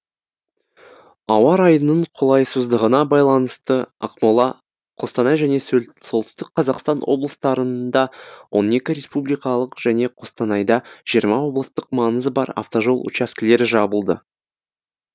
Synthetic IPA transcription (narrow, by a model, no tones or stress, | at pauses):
ɑwɑɾɑjənəɴqʰolˠɑjsəzd̪əʁənɑbɑjlˠɑnəst̪əɑ̰qmolˠɑ | qʰo̞st̪ɑnɑjʒæne̞so̞lˠt̪ɪ̥st̪ɪk̚qʰːɑzɑqst̪ɑnwʔo̞̰blˠəst̪ɑɾənd̪ɑwʔo̞̰ne̞kʲɪɾʲe̞spublijkɑlˠəqʒ̥æne̞qʰo̞st̪ɑnɑjd̪ɑʒ̥ijəɾmɑwo̞blˠəst̪əqmɑŋəzəbɑɾa̰ft̪o̞ʒo̞lˠṵt͡ʃɑskʲɪle̞ɾɪʒɑbəlˠd̪ə̰